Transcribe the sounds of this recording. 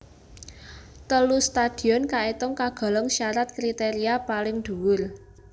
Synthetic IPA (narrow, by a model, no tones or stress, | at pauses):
t̪əlust̪ad̪̥i̤ɔnkaet̪ʊŋkaɡ̥ɔ̤lɔŋʃaɾat̪̚kɾit̪eɾiapalɪŋd̪̥ṳwʊr